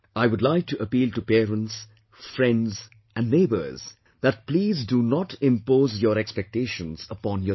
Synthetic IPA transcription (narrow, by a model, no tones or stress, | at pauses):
aɪʋʊdlaɪk̚ʈuʔəpiːlʈupɛɾə̃nts | fɾɛ̃ndz | ʔæ̃nɖneːbə̰ɾz̥ | d̪æʈ̚pliːzdunɔʈɪ̃mpoːzjɔɾɛkspɛk̚ʈeʃə̃nzəpɔ̃ːnjɔ